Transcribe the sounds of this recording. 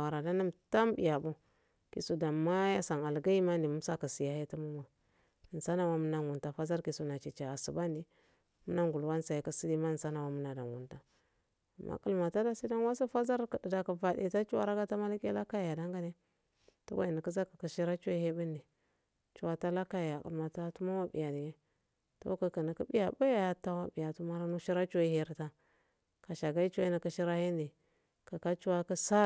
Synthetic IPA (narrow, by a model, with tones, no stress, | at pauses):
wa˨ɾa˨da˦na˦mta˦mbḭ˨ja˨bu˦ | ki˨su˨da˨ma˦ja˦sa˨ŋa˨lɡa˦i˦ma˦ndi˨mu˦sa˦ka˨si˨ja˨he˦tu˦mu˦ma˨ | n˨sa˦na˨wa˦mə˦na˦ŋ˨u˨nta˨fa˦za˦ɾki˨su˨na˨t͡ʃi˨t͡ʃa˨a˨su˨ba˦ndi˨ | mu˦na˦ŋɡu˨lwa˦n˦sa˨i˨˦ka˨si˦di˦ma˦˨nsa˦na˨wa˦mu˦na˨da˨ŋwu˨nta˦ | a˨mːa̰˦kə˦˨lma˨ta˦da˦si˦da˦n˦wa˦sa˦fa˦za˦ɾka˨də˨da˨ka˨va˨dḛ˨ta˦t͡ʃu˦wa̰˦ɾa˦ɡa˦ta˦ma˦la˦kḛ˦la˦ka˦ja˨da˦ŋɡa˦ne˦ | tṵ˦wa̰˦i˨ni˨ki˦za˦kḁ˨ki˨ʃi˦ɾa˦t͡ʃo˦i˦he˦bi˦ndi˨ | t͡ʃu˦wa˦ta˦la˦ka˦˨ja˨kṵ˨lma˨ta˦tu˦ma˦wa˦bḭ˨ja˨di˨ɡe˦ | to̰˦ka˨ki˨ni˨ki˦bi˦ja˨ba˦ja˨ja˦ta˦wa˦bi˨ja˨tu˦ma˦ɾa˦nu˦ʃi˦ɾa˦t͡ʃo˦i˦he˦ɾta˦ | ka˨ʃa˨ɡa˦i˦t͡ʃi˦ni˨ku˦ʃi˦ɾa˦hi˦n˦di˨ | ka˨ka˦t͡ʃu˦wa˦ka˦sa˦